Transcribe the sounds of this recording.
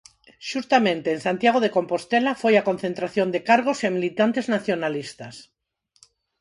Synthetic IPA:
ʃust̪amẽnt̪eːnsant̪jaɣ̞oðekompost̪elafojakon̟θẽnt̪ɾaθjond̪ekaɾɣ̞osemilit̪ant̪eznaθjonalist̪as

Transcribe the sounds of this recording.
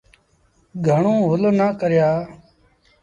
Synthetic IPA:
ɡʱəɳõːɦʊloːnaːkəɾjaː

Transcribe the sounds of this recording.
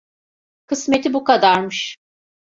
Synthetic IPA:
kʰɯsmet̪ʰibukad̪aɾmɯʃ

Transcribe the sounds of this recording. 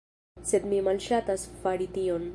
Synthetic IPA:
sɪd̪mimɐlʃat̪ɐsfaɽit̪ijon

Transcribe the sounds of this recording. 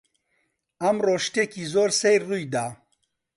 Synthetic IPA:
ɐmroːʃt̪eːkiːzoːɾsejɾruːjd̪a

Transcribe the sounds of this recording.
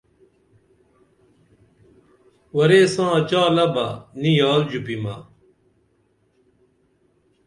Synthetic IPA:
wɐɾeːsãːt͡ɕaːlɐbɐnijaːld͡ʑupimɐ

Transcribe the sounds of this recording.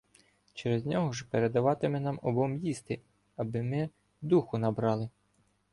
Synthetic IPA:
t͡ʃɛɾezʲnʲɔɦɔʒpeɾed̪ɐʋɑt̪ɪmɛnɑmɔbɔmjist̪ɪ | ɐbɪmɪ | d̪uxʊnɐbɾɑlˠɪ

